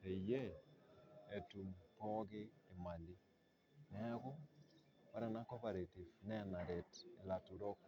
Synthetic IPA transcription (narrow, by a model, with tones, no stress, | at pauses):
e˨je˦ | e˨tu˨mpɔ˦ɡɪ˦e˨ma˨li˦ | nɛ˦a˦kʊ˦ | wa˦ɾɛ˨na˦kɔ˦pa˨ɾe˨ti˨vnɛ˦˨na˨ɾe˨te˨la˨tu˨ɾɔ˦k̚